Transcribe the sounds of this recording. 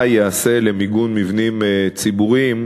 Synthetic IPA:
jease̞lemiɡunmivnimt͡sibuʁim

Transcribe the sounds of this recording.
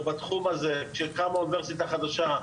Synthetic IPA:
bat̪χumaze̞ʃekamauniveʁsit̪aχad̪aʃa

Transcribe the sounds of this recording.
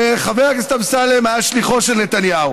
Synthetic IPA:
eχaveʁaɡist̪amsalemaʃliχo̞ʃelnet̪anjau

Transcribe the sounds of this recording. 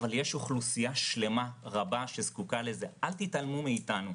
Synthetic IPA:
valjeʃoχlusijaʃle̞maʁabaʃezkukale̞zeʔalt̪italmumeitanu

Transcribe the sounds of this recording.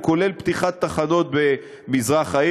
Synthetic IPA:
ko̞le̞lpt̪iχat̪ːaχano̞t̪̚be̞ | mizʁaχai

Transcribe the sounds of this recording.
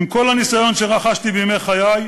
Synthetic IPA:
mko̞lanisajo̞nʃeʁaχaʃt̪ibejmejχajaj

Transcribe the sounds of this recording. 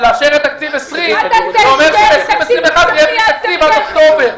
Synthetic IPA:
laʃeʁet̪ak̚t̪ivesʁimeomeʁʃelesʁimesimexad̪jeak̚t̪ivalokt̪obeʁ

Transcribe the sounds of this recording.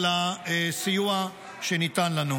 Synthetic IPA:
laesijua | ʃenit̪anlanu

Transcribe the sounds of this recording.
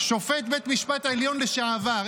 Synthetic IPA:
ʃo̞fet̪̚be̞t̪miʃpat̪aeljo̞nleʃaavaʁ

